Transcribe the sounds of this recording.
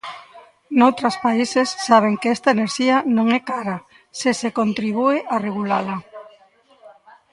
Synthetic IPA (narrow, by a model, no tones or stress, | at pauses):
nowt̪ɾaspaisesːaβ̞eŋkɛst̪aeneɾʃiɐnõŋɛkaɾa | sesekont̪ɾiβ̞ueʔareɣ̞ulala